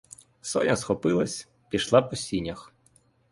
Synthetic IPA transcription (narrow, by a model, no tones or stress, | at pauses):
sɔ̰nʲɐsxɔpɪlˠɐsʲ | pʲiʃlˠɑpɔsʲinʲːɐx